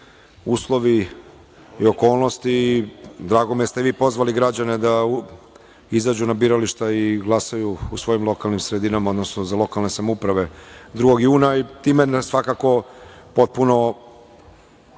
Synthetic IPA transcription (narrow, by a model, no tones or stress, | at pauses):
uːslˠo̞ʋi | io̞ko̞ːlˠno̞st̪id̪ɾaːɡomijest̪eʋiːpo̞zʋaliɡɾad͡ʑane̞d̪a | izaːd͡ʑunabiːɾaliʃt̪aiɡlˠasajuːsʋo̞jimlˠo̞kalnimsɾed̪inamao̞d̪nosnozalˠo̞kalˠne̞samoupɾaʋe̞d̪ɾuɡo̞ɡjuːnait̪iːmensʋakako̞ | po̞t̪̚puno̞